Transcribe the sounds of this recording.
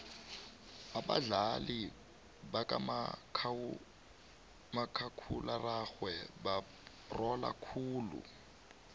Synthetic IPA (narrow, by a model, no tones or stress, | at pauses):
aɓa̰ɮali | bakamʰ | makʰakʰularaxwɛba | rɔla̰kʰuːlṵ